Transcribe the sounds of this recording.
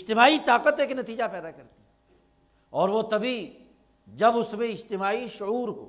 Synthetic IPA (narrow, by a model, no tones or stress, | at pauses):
ɪd͡ʒt̪ɪmaːit̪aːqət̪eːknɐt̪iːd͡ʒapɛːd̪akɐɾt̪i̥ɛ | ɔːɾʋot̪ɐbʱi | d͡ʒɐbʊsmẽɪd͡ʒt̪ɪmaːiʃʊuːɾɦo̰ː